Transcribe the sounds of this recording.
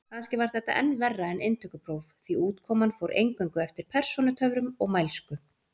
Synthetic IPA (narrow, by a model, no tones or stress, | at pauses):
kʰanscɪvaɾ̥θɛht̪a̰ʔɛnːvɛrːaɛnɪnt̪ʰʏkʏpʰɾowvθiuːt̪kʰɔːmanfowɾʔḛjŋkʏŋkʏɛft̪ɪɾ̥pʰɛr̥sɔnʏt̪ʰœvɾʏmɔɣmajlskʏ